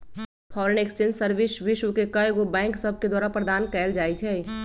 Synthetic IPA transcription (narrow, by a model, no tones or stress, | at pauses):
pʰɔːɾəneksʈẽnsəɾʋɪsʋɪʃwkekɐjɡobɛ̃ːŋksəb̚ʱked̪waːɾapɾəd̪aːnkɛːld͡ʒaːit͡ʃʰɛ